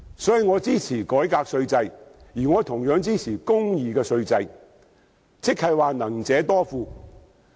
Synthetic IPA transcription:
sɔː˨˥ji˨˧ŋɔː˨˧t͡siː˥t͡sʰiː˨˩kɔː˨˥jkaː˧k̚sɵ˧ɥt͡sɐ˧jjiː˨˩ŋɔː˨˧t̪ʰʊ˨˩ŋjœː˨˥ŋt͡siː˥t͡sʰiː˨˩kʊ˥ŋjiː˨kɛː˧sɵ˧ɥt͡sɐ˧j | t͡sʰɪ˥k̚hɐ˧˨jwaː˨nɐ˨˩ŋt͡sɛː˨˧˥t̪ɔː˥fuː˨˧

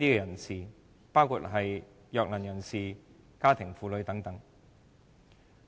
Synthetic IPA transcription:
t̪iː˥kɛ˧jɐ˨˩nsiː˨ | paː˥wkʰṵ˧t̚ɦɐ˨j | jœː˧k̚lɐ˨˩njɐ˨˩nsiː˨ | kaː˥t̪ʰɪ˨˩ŋfuː˨˧lɵ˨˧ɥt̪ɐ˨˥ŋt̪ɐ˨˥ŋ

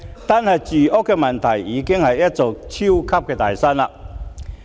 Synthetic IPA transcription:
t̪a˥˧nhɐ˨jt͡ɕy˨˩ʔo˦˥kːɛ˧mɐ˨˩nt̪ʰɐ˨˩jiː˨˧kɪ˥ŋhɐ˨jjɐ˦˥t̚t͡so˨k̚t͡ɕʰi˦˥wkʰɐ˥p̚kɛː˧t̪aː˨jsa˥nlɐ˨

